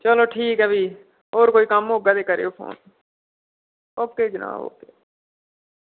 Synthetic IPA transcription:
t͡ʃəloːʈʰiːkɦɛːbʱiː | oːɾkoːiːkəmɦoːɡaːd̪eːkəɾḛːoːpʰo̰ːn | oːkeːd͡ʒəna̰ːbo̰ːkeː

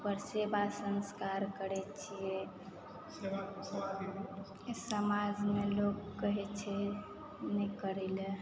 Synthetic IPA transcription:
pəɾsebasənskaɾkəɾɛt͡ʃʰije | a | səmad͡ʒmelokːəɦɛt͡ʃʰɛ | nəkəɾile

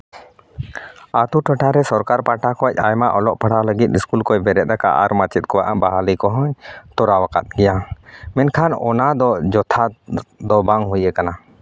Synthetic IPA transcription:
at̪uʈʰəʈʰaɾɛsɔɾkaɾpaʈʰakɔc̚ˀajmaʔɔlɔʔpʰəɽ̤aləɡit̪̚iskulkɔjbɛɾɛt̪̚ˀɾaka̰ʔaɾmat͡ʃɛt̪̚ˀkɔwaʔabaɦalikɔɦɔɲt̪ɔɾawakat̪̚ɡɛjamɛnkʰanɔ̰nad̪ɔd͡ʒɔt̪ʰad̪ɔbaŋɦujɛkana

